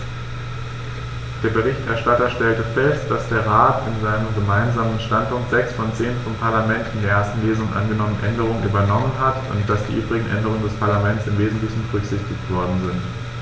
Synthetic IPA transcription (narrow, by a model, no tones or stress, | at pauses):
d̥eːɐbəʁ̞ɪçtʔɛɐʃtatɐʃtɛltəfɛstd̥asd̥eːɐʁ̞aːtɪnzaɪnəmɡəmaɪnzaːmənʃtant̚pʊŋktz̥ɛksfɔnt͡seːnfɔmpʰaɐlamɛntɪndeːɐʔeɐstn̩leːzʊŋənʔa̰nɡənɔmənʔɛndəʁ̞ʊŋənʔyːbɐnɔmənɦatʊ̰nt̚d̥asd̥iːʔyːbʁɪɡŋ̩ʔɛ̰ndəʁ̞ʊŋəndɛspʰaɐlamɛnt͡sɪmveːzn̩tlɪçn̩bəʁʏçz̥ɪçtɪçtv̥ɔɐdn̩zɪnt